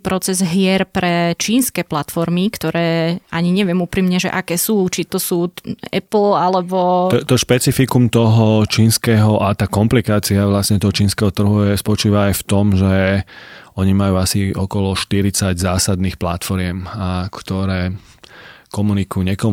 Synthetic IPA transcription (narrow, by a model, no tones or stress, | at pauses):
pɾɔt͡sɛzɦɪɛɾpɾɛt͡ʃiːnskɛːplat̪fɔɾmikt̪ɔɾɛːaɲiɲɛʋɪɛmupɾiːmɲɛʒɛ̰ʔakɛːsuːt͡ʃit̪ɔsuːɛ̰pl̩alɛbɔɔt̪ɔʃpɛt͡sifikumt̪ɔɦɔt͡ʃiːnskɛːɦɔʔat̪aːkɔmplikaːt͡siaʋlasɲɛt̪ɔɦɔt͡ʃiːnskɛɦɔt̪r̩ɦuɛspɔt͡ʃiːʋaːjft̪ɔmʒɛ | ɔɲimajuːasiɔkɔlɔʃt̪iɾit͡saɟzaːsad̪niːxplat̪fɔɾɪɛmakt̪ɔɾɛː | kɔmunikujuɲɛkɔ